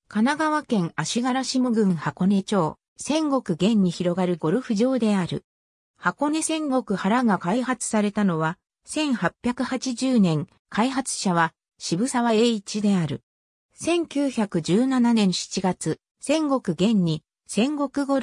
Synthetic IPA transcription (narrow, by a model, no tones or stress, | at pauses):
kanaɡaβakẽ̞ŋaɕiɡaɾaɕimoɡɯ̟̃ɰ̃hako̞ne̞t͡ɕo̞ː | sẽ̞ŋɡo̞kɯ̟ɡẽ̞ɲ̟ːiçiɾo̞ɡaɾɯ̟ɡo̞ɾɯ̟ɸɯ̟ʑo̞ːd̪e̞aɾɯ̟̰ | hako̞ne̞sẽ̞ŋɡo̞kɯ̟haɾaɡakaiɦat͡sɨ̥saɾe̞t̪ano̞βa | sẽ̞ɰ̃hapʲjakɯ̟hat͡ɕiʑɨːnẽ̞ŋ | kʰaiɦat͡sɨ̥ɕaβ̞a | ɕibɯ̟saβae̞ːit͡ɕid̪e̞aɾɯ̟̰ | sẽ̞ŋkʲɨːçakɯ̟d͡ʑɨːnananẽ̞ɰ̃ɕi̥t͡ɕiɡat͡sɨ | sẽ̞ŋɡo̞kɯ̟ɡẽ̞ɲ̟ːi | sẽ̞ŋɡo̞kɯ̟ɡo̞